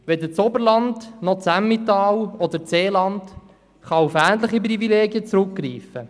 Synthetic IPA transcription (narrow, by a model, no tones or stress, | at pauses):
ʋɛd̪ət͡sɔbəɾlɑndnɔt͡sæmːit̪ɑːwɔd̪əɾt͡seːlɑnd | χɑufæːntləχip̬rivileːɡiət͡sɾʉkːriːfə